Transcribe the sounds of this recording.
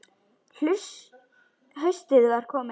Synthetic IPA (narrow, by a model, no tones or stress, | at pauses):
l̥ʏs | ɦœɥst̪ɪðɣaɾ̥kʰɔːmɪ